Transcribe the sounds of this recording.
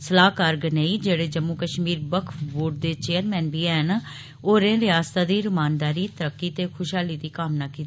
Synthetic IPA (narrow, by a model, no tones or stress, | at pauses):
səlaːkaːɾɡneiːd͡ʒeːɽeːd͡ʒəmuːkəʃmiːɾbəkʰboːʈ̚d̪eːt͡ʃeːəɾmɛːnbiːɛːn | oːɾẽːɾɪjaːst̪aːd̪iːɾɪmaːnd̪aːɾiːt̪əɾəkːiːt̪eːkʰʊʃaːliːd̪iːkaːmnaːkiːt̪ː